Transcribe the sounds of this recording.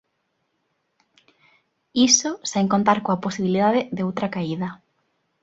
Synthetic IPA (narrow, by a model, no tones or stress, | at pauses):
isoseŋkõnt̪aɾkoaposiβiliðaðɪðeowt̪ɾakaiðɐ